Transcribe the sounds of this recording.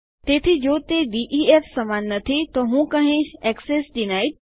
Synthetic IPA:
t̪eːt̪ʰid͡ʑoːt̪eɖiːʔiːeːfsɐmaːnːɐt̪ʰit̪oːɦũːkɐ̃ɦẽːʃɛːksesɗinaːi

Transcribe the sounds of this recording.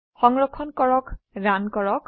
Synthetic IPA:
xɔŋɹɔkʰɔnkɔɹɔk | ɹankɔɹɔk

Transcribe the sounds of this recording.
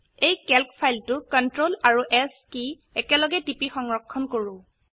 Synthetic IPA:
ejkɛlkpʰajltʊkɔntɹolaɹuʔɛski | ɛkɛlɔɡɛtipixɔŋɹɔkʰːɔnkoɹʊ̃

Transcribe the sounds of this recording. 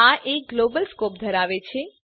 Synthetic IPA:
aʔek̚ɡlobəlskop̚d̪ʱəɾaʋet͡ʃʰe

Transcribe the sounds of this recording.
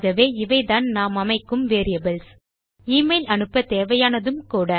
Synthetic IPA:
ɣɐʋeːɪʋɐɪðaːnnaːmɐmɐɪkːɯmʋeːɾɪjɐbɪls | iːmɐɪlɐnɯpːɐt̪eːʋɐjaːnɐðɯmkuːɽɐ

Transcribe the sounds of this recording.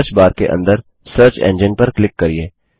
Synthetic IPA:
ɾt͡ʃbaːɾkḛʔɐ̰̃nd̪əɾ | səːɾt͡ʃɛ̰̃ːnd͡ʒɪnpɐɾklɪkːɐɾieː

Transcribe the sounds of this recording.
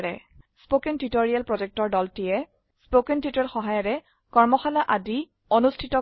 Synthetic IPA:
ɹɛ | spokɛntitoɹijalpɹɔd͡ʒɛk̚tɔɹdɔltijɛ | spokɛntitɔɹxɔɦajɔɹɛ | kɔɹmɔxalaʔadi | ɔnustʰitɔ

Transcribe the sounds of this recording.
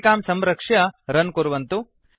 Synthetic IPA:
kaːmsɐmɾɐkʂjɐɾɐnkuɾuʋɐnt̪u

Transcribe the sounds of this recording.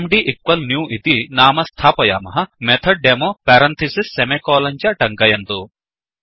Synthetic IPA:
mɖiʔikʋɐlnjuːʔit̪inaːmɐst̪ʰaːpɐja̰ːmɐɦɐ̆met̪ʰɐɖɖemoːpɛːɾɐnt̪ʰisisːemekoːlɐɲt͡ʃɐʈɐŋkɐjɐnt̪u

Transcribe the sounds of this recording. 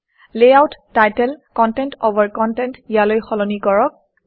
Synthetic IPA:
leawtːajtɛlkɔntɛntobʱaɹkɔntɛntijalojxɔlɔnikɔɹɔk̚

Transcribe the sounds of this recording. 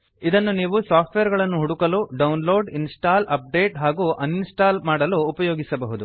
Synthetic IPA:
id̪ɐnːuniːʋusaːpʰʈʋejɐɾɡɐɭɐnːuɦuɽukɐluːɖɐwnlo̞ːɖinsʈaːlɐp̚ɖe̞ːʈɦaːɡuːʔɐninsʈaːlmaːɽɐluːpɐjoːɡisɐbɐɦud̪u

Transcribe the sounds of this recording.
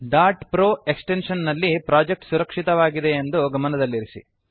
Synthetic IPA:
ɖaːɾʈpɾoːe̞ksʈe̞nʂɐnːɐlːipɾaːd͡ʒe̞k̚ʈsuɾɐkʂit̪ɐʋaːɡid̪eːnd̪uɡɐmɐnɐd̪ɐlːiɾisḭ

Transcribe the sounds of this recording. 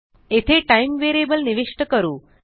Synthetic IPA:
et̪ʰeʈajmʋeɾebəlniʋiʂʈəkəɾuː

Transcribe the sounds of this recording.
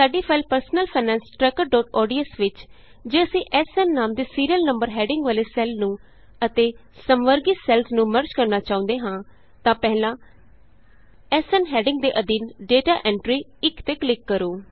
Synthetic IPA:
saːɖiːpʰaːlpəɾsnəlpʰaːnɛ̃ːnsʈɾɛːkəɾɖɔːʈɔːɖiːəsʋɪt͡ʃ | d͡ʒeːəsĩːʔɛːsɛːnːaːmd̪eːsiːɾijəlnəmbəɾɦɛːɖɪŋɡʋaːleːsɛːlnũː | ət̪eːsəmʋəɾɡɪsɛːlsnũːməɾt͡ʃkəɾnaːt͡ʃaːõːnd̪eːɦãː | t̪ãːpɛːlãː | ɛːsɛːnɦɛːɖɪŋɡ̚d̪eːʔəd̪iːnɖeːʈaːʔɛ̃ːɳʈɾiːɪkt̪eːklɪkːəɾoː

